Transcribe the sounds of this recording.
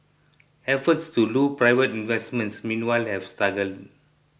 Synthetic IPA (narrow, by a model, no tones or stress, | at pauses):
ɛfətstulupɹajvətĩnvɛsmə̃ntsmĩnwajlhɛv̥staɡəld